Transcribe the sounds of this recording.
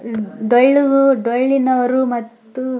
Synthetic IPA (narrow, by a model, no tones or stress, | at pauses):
ɖoɭuɡuɖojɭːinɐʋɐɾumɐt̪ːu